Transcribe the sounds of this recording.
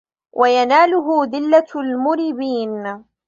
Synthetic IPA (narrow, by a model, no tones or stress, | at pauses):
wʔajanaːlʊɦʊðɪlːalmʊɾɪbiːn